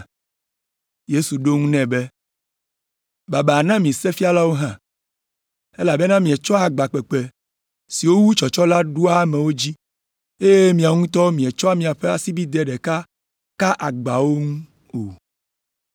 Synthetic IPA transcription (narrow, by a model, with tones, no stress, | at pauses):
je˦su˨ɖo˦ŋũ˦nɛ̃˨be˦ | ba˨be˨a˨nã˦mĩ˨sɛ˦fi˦a˦la˦wo˦ɦã˦ | e˦la˨be˦nã˦mĩ˨ɛ˨t͡ʃɔ˦a˨ɡ͡ba˨k͡pɛ˨k͡pɛ˨ | si˨wo˦wu˦t͡ʃɔ˨t͡ʃɔ˦la˦ɖu˦a˦mɛ̃˨wo˦d͡ʑi˦ | e˦je˦mĩ˨a˨ŋũ˦t̪ɔ˦mĩ˨ɛ˨t͡ʃɔ˦a˦mĩ˨a˨ɸe˦a˨si˦bi˦d̪ɛ˦ɖɛ˨ka˦ | ka˦ʔa˨ɡ͡ba˨wo˦ŋũ˦ | o˨